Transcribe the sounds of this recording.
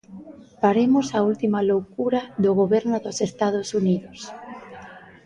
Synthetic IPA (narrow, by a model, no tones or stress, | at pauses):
paɾemʊsault̪imalowkuɾaðʊɣoβɛɾnʊðʊsest̪aðʊsuniðʊs